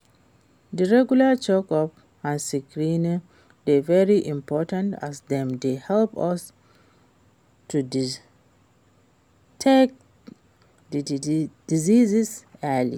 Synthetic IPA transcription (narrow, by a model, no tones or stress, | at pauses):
diɹɛɡjulat͡ʃokɔp | ãnsikɹin | devɛɹiʔĩmpʰɔtãnta̰sdɛ̃mdehɛlpɔs | tʰudi | tʰɛk̚ | did̥izizisɛlḭ